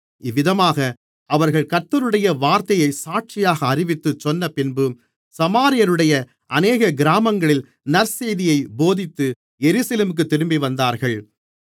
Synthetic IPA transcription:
ɪʋːɪðɐmaːɣɐ | ɐʋɐɾɣɐɭkɐɾt̪ːɐɾɯɽɐjɐʋaːɾt̪ɐjɐɪsaːʈ̚t͡ʃɪjaːɣɐːɾɪʋɪt̪ːɯt͡ʃːɔnːɐpɪnbɯ | sɐmaːɾɪjɐɾɯɽɐjɐ | ʔɐneːɣɐɡɪɾaːmɐŋɡɐɭɪl | nɐɾseːjðɪjɐɪboːðɪt̪ːɯ | jɛɾʉːsɐleːmɯk̬ːɯt̪ːɪɾɯmbiʋɐnd̪aːɾɣɐɭ

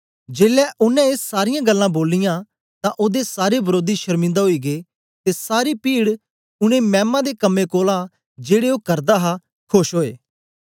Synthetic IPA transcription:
d͡ʒeːlɛːʔʊnɛ̃eːsːaːɾɪjãːɡəlːãːboːlːɪjãː | t̪ãʔoːd̪esaːɾebəɾoːd̪iʃəɾmɪ̃nd̪aɦoiːɡeː | t̪esaːɾipiːɽ | ʊnẽmɛ̃ːmãd̪ekəmːẽkoːla | d͡ʒeːɽeoːkɐɾd̪aːɦa | kʰʊʃɦoːḛː

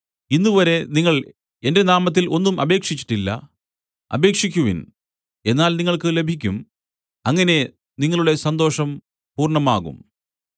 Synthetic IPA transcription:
inːuʋɐɾe̞niŋːɐɭ | e̞nde̞naːmɐt̪̬ːilʔo̞nːumɐbe̞ːkʂit͡ɕːi̥ʈːilːɐ̰ | ɐ̰be̞ːkʂik̬ʲːuʋḭn | e̞nːaːlniŋːɐɭkɨle̞bʱikʲːum | ɐŋːɐne̞ | niŋːɐɭuɽe̞sɐnd̪o̞ːʂɐm | puːrɳɐmaːɣṵm

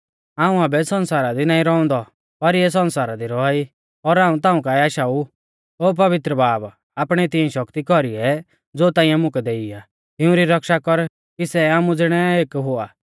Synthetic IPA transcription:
aːũaːbɛsɔ̃nsaːɾad̪inãːĩɾɔɔ̃nd̪ɔ | pɐɾjɛs̬ɔ̃nsaːɾad̪iɾɔai | ɔɾaːũt̪ãːũkaːiaːʃau | ɦoːp̬ɐʋɪt̪ɾəbaːb | aːpɽ̃ɛt̪iɛ̃ʃɔkt̪ikɔɾiɛ | d͡zoːt̪ãːĩjãmʊ̃kɛd̪eːia | t̪ɪũɾiɾɐkʃakɔɾ | kisɛaːmũd͡zɪɽ̃ɛeːkɦʊaː

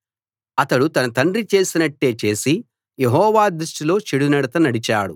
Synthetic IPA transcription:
ɐt̪ɐɽut̪ɐnɐt̪ɐɳɖɾit͡ʃe̞ːsinɐʈːe̞ːt͡ʃe̞ːsi | jeɦɔːʋaːd̪ɾuʂʈilo̞ːt͡ʃeɽunɐɽɐt̪ɐnɐɽit͡ʃa̰ːɽṵ

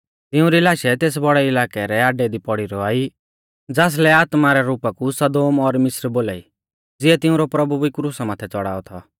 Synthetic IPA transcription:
t̪ɪʊ̃ɾilaːʃɛt̪eːs̬bɔɽɛɪlaːkɛɾɛaːɖɛd̪ipɔɽiɾɔaːi | d͡zaːs̬lɛaːt̪maɾɛɾuːpakusɐd̪oːmɔɾmɪsɾboːla̰ːi | d͡zɪɛt̪ɪʊ̃ɾɔpɾɐbubikɾuːsamaːt̪ʰɛt͡sɔɽa̰ːɔt̪ʰɔ

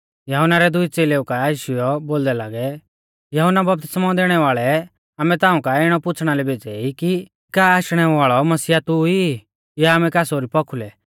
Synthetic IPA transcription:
jɐɦʊnaɾɛd̪ʊit͡seːleukaiːʃʊjɔboːld̪ɛlaːɡɛ | jɐɦʊnabɐp̚t̪ɪ̥smãd̪eːɽ̃ɛʋaːɭɛ | aːmɛt̪ãːũkaɪɽ̃ɔpʊt͡sʰɽ̃alɛbeːd͡zɛiki | kaːaːʃɽ̃ɛʋaːɭɔmɐsiːat̪ʊi | jaːmɛkaːsoːɾipɔkʰulɛ

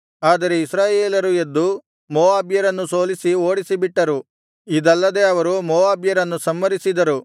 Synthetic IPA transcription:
aːd̪ɐɾe̞isɾaːjeːlɐɾue̞d̪ːu | moːaːbjɐɾɐnːuso̞ːlisio̞ːɽisibiʈːɐɾu | id̪ɐlːɐd̪eːɐʋɐɾumoːʋaːbjɐɾɐnːusɐmːɐɾisid̪ɐɾu

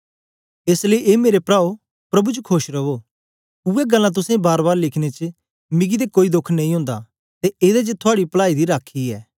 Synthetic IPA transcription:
eːsleiʔeːmeːɾepɾaːo | pɾɐbut͡ʃkʰoːʃɾɐbo | ʊːɛɡɐlːãt̪̬ʊsẽbaːɾbaːɾlɪkʰñet͡ʃ | mɪɡid̪ekoːid̪ʊkʰnɐ̃ĩɦõːnd̪a | t̪eeːd̪ed͡ʒət̪ʰʊaːɽiplaːid̪iɾaːkʰːiɛː

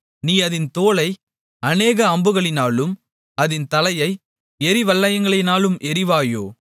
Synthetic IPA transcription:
niːɐðɪnt̪oːlɐɪ | ɐneːɣɐːmbɯɣɐɭɪnaːlɯm | ɐðɪnt̪ɐlɐjɐɪ | ɛɾɪʋɐlːɐjɐŋɡɐɭɐɪnaːlɯmʔɛɾɪʋaːjo̰ː

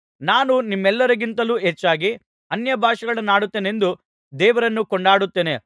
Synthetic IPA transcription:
naːnunimːɛlːɐɾɐɡint̪ɐluːɦet͡ʃːaːɡi | ɐnjɐbʱaːʂɐɡɐɭɐnːaːɽut̪ːeːne̞nd̪u | d̪ɛːʋɐɾɐnːukɔɳɖaːɽut̪ːeːne̞

